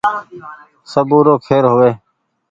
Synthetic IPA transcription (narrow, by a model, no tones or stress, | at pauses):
səbuːɾoːkʰeːɾɦoːʋeː